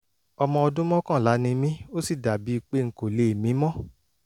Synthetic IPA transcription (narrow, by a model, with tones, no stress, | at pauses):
ɔ˧mɔ̃˧ɔ˧dũ˦mɔ̃˦kã˦˨la˨˦nĩ˧mĩ˦o˦si˦˨da˨bi˨˦i˧k͡pe˦ŋ̩˨ko˨le˨e˨mĩ˨˦mɔ̃˦˨